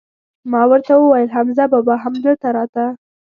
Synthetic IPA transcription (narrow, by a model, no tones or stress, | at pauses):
mɑwəɾt̪awəwajəlɦamzabɑbɑɦamd̪əlt̪aɾɑt̪a